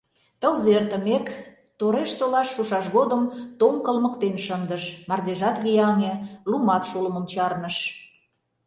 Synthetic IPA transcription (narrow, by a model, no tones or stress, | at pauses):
t̪ə̆lzert̪ə̆mek | t̪oɾeʃsolɑʃːuʃɑʃɣod̪ə̆mt̪omkə̆lmə̆kt̪enʃənd̪əʃmɑrd̪eʒɑt̪ɣʲijɑnʲelumɑt̪ʃuləmə̆mt͡ɕɑrnəʃ